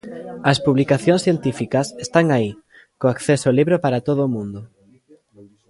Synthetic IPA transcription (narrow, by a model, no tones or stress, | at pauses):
ɐspuβlikaθjõnsθjent̪ifikɐsest̪aŋai | koakθesoliβɾopaɾat̪oðoːmũnd̪o